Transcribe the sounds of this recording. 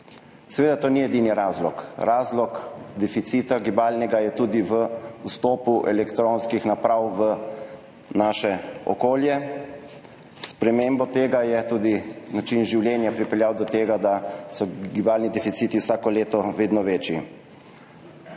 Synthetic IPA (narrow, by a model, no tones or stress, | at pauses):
sɛʋeːd̪at̪oːniɛd̪iniɾaːzlɔkɾaːzlɔkd̪ɛfit̪sit̪aɡibaːlnɛɡajɛt̪uːd̪iʋəust̪oːpuʔɛlɛkt̪ɾonskixnapɾawʋə | naːʃɛɔ̰koːljɛ | spɾɛmembɔt̪eːɡajɛt̪uːd̪inat͡ʃinʒiwljɛːnjapɾipɛljaːwd̪ɔt̪eːɡad̪asɔɡibaːlnid̪ɛfit̪siːt̪iwsaːkɔleːt̪ɔʋeːd̪nɔʋeːt͡ʃji